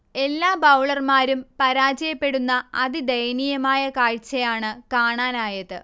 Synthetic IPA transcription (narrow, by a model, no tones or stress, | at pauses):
e̞lːaːbɐwɭɐrmaːɾumpɐɾaːd͡ʑɐjɐpːe̞ɽunːɐɐðid̪ɐjnijɐmaːjɐkaːɻt͡ɕːɐjaːɳɨkaːɳaːnaːjɐðɨ